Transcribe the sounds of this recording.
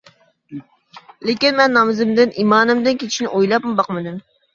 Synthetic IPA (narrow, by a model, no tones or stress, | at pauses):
lekʲɪnmɛnːɑmɨzɪmd̪ɪnʔimɑːnɨmd̪ɪnkʲʰet͡ʃʰiʃnɪʔojlˠɑpmʊbɑqmɨd̪ɪm